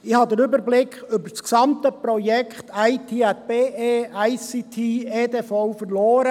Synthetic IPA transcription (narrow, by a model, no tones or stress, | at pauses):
ɪhɑd̪əɾʏbəɾblɪkʏbəsksɑmt̪əpɾɔjɛkχtʰæɪt̪ʰiːɛt̪̚b̥eːeːæɪsit̪ʰiːeːd̪efɔʊfəɾlɔːɾə